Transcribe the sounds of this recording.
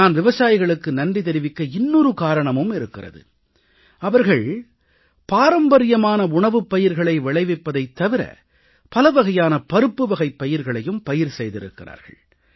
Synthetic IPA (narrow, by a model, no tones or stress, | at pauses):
aːnʋɪʋɐsaːjɪɣɐɭɯkːɯnɐnrit̪̬ɛɾɪʋɪkːɐɪnːɔɾɯkaːɾɐɳɐmɯmɪɾɯkːɪrɐ̰ðɯ̰ | ɐʋɐɾɣɐɭ | paːɾɐmbɐɾɪjɐmaːnɐʊɳɐʋɯpːɐjɪɾɣɐɭɐɪʋɪɭɐɪʋɪpːɐðɐɪt̪ːɐʋɪɾɐ̰ | pɐlɐʋɐɣɐjaːnɐpɐɾɯpːɯʋɐɣɐɪpːɐjɪɾɣɐɭɐjɯmpɐjɪɾsɛjðɪɾɯ̰kːɪra̰ːɾɣɐ̰ɭ